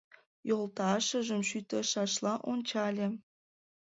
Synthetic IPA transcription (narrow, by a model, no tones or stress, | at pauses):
jolt̪ɑʃə̆ʒəmʃyt̪ə̆ʃɑʃlɑʔonʲt͡ɕɑlʲĕ